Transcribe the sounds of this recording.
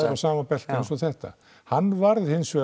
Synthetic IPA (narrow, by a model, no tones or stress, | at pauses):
awsaːmapɛl̥t̪aɛnsɔθɛht̪a̰ | hanːvaɾðhɪnsvɛː